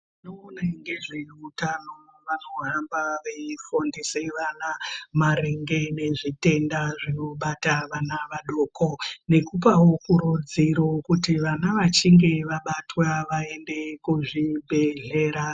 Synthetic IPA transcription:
inoːnaŋɡe̞ʐeutanoʋano̞ɦambaʋeifondiseʋanamaɾeŋɡe̞ne̞ʐite̞ndaʐenoɓataʋanaʋaɗo̞ːkʰo̞ne̞kupawokuɾud͡ziɾokutiʋanaʋat͡ʃiŋɡe̞ʋaɓatwaʋae̞nde̞kuʐibʱe̞ɮe̞ːɾa

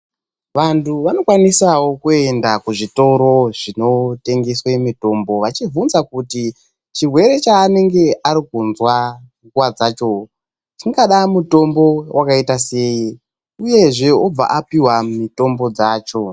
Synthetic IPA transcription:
ʋantʰuʋano̞kwanisawo̞kue̞ndakuʐito̞ɾo̞ʐino̞te̞ŋɡeswemito̞mbo̞ʋat͡ʃivunzakuti | t͡ʃirwe̞ɾe̞t͡ʃaːne̞ŋɡe̞ʔaɾikunzwaŋɡuwad͡zaːt͡ʃo̞ | t͡ʃiŋɡaɗamuto̞mbo̞wʔakaitase̞i | uje̞ʐeob͡va̰ʔapiwamumito̞mbo̞d͡zaːt͡ʃo̞

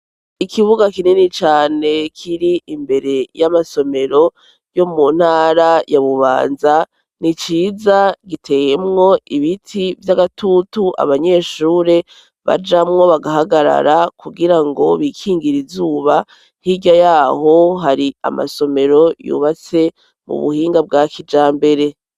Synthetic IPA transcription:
ikʰiβuɡakininit͡ʃaːne̞kʰiɾiimbe̞ɾe̞jamaso̞me̞ɾo̞ | jo̞mun̥haːɾajaβuβa̰ːnza | nit͡ʃiːzaɡitʰe̞je̞mŋo̞iβitʰivjaɡatutuʔa̰βaɲe̞ːʃuːɾe̞ | βa̰d͡ʒamŋo̞βaɡaɦaɡaɾa̰ɾakʰuɡiɾaŋɡo̞βikʰiːŋɡiɾizuːβa | hiɟajaːho̞ɦaɾia̰ma̰so̞me̞ɾo̞jṵːβat͡se̞ | mṵβṵhiːŋɡab̚ɡaːkʰid͡ʒaːmbe̞ɾe̞

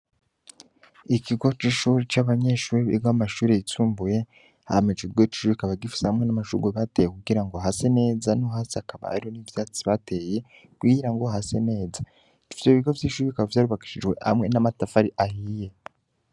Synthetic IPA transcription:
ikiɡo̞t͡ʃiʃuːɾit͡ʃaβaɲe̞ʃuːɾiβḭɡwamaʃuːɾeituːmbuje̞ | ha̰met͡ʃiɡot͡ʃu̥ʃuːβikaβaɡifi̥sehamŋe̞namaʃṵɡweβatejekuɡiɾaŋɡoɦase̞ne̞ːzanoɦaːsiakaβa̰a̰ɾiho̞nivjaːt͡siβate̞je̞ | kwiɾaŋɡo̞hase̞ne̞ːza | d͡ʒu̥fiseiβiɡo̞vjiːʃuɾikaβavjaːɾuβaki̥ʃid͡ʒwe̞̰ha̰mŋe̞namatafaɾiʔahije̞

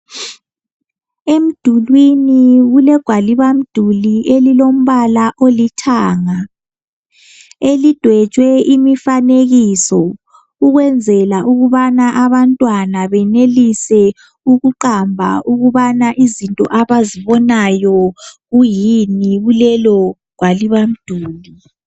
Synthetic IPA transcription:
em̩d̥ʱulwiniɣulɛɡ̥ʱwaliβam̩d̥ʱuliʔelilom̩βalaʔolitʰaːŋa | elid̥ʱwɛ̥ʒ̥ʱwɛʔimifaneɣisɔ | uɣwɛnd͡zʱɛlaʔuɣuβanaʔaβantʼwanaβɛnelisɛ | uɣuǃambʱa̰ʔuɣuβanaʔizintʼɔ̰ʔaβaziβɔnajɔɣujiniɣulɛlɔɡ̥ʱwaliβam̩d̥ʱuːli

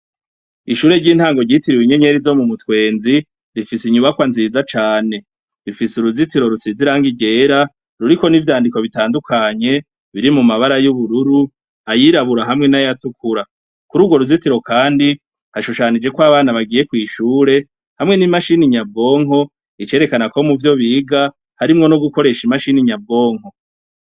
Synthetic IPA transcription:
iʃuːɾe̞ɾɟiːn̥haːŋɡo̞ɟitiɾiwiɲe̞ɲe̞ɾizo̞mumutwe̞ːnzi | ɾifisiɲuβakwanziːzat͡ʃaːne̞ | ɾifisuɾuzitiɾo̞ɾut͡siziɾaŋɡiɟe̞ːɾa | ɾuɾiko̞nivjaːndiko̞βitaːndukʰaɲe̞ | βiɾimumaβaɾajuβuɾuɾu | ajiɾaβuɾaɦamŋe̞najatukʰuɾa | kuɾuːɡwo̞ɾuzitiɾo̞kaːndi | haʃuʃanid͡ʒe̞kwaβaːnaβaɡije̞kwiːʃuːɾe̞ | hamŋe̞nimaʃiniɲabo̞ːŋɦo̞ | it͡ʃe̞ɾe̞kanako̞muvjo̞βiːɡa | haɾimŋo̞noɡuko̞ɾe̞ʃimaʃiniɲabo̞ːŋ̥ho̞

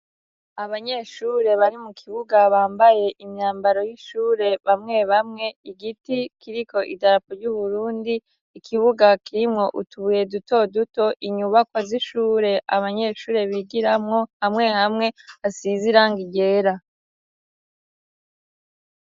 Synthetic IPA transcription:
aβaɲe̞ːʃuːɾe̞βaɾimukʰiβuɡaβaːmbaje̞ʔimɲaːmbaɾo̞jiʃuːɾe̞βamŋe̞βamŋe̞iɡitikʰiɾiko̞ʔidaɾapoɾɟuβuɾuːndiː | kʰiβuɡakʰiɾimŋo̞ʔutuβuje̞dutʰo̞duto̞ʔiɲuβakwaziʃuːɾe̞ʔaβaɲe̞ːʃuːɾe̞βiɡiɾamŋo̞hamŋe̞hamŋe̞asiziɾaːŋɡiɟe̞ːɾa

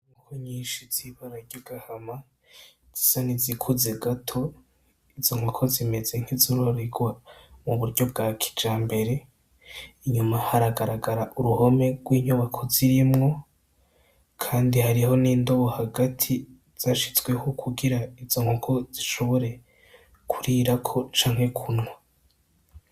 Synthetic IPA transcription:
ŋukoɲiːʃiz̥iβaɾaɾɟoɡahama | z̥i̥sanizikʰuzeɡatʰo̞ | izo̞ŋokʰo̞zime̞ze̞ŋ̥hizuɾoɾeɡwamuβuɾɟo̞b̚ɡaːkʰi̥d͡ʒaːmbe̞ɾe̞ | iɲumahaɾaɡaɾaɡaɾaʔuɾuho̞me̞ɡ̥wiːɲuβakʰo̞ziɾimŋo̞ | kʰaːndihaɾiho̞niːndoβo̞haɡatʰi | z̥aʃi̥t͡swe̞hokʰuɡiɾaiz̥o̞ŋokʰo̞z̥iʃo̞βo̞ɾe̞ | kʰuɾiːɾakʰo̞t͡ʃaːŋ̥he̞kʰunŋa

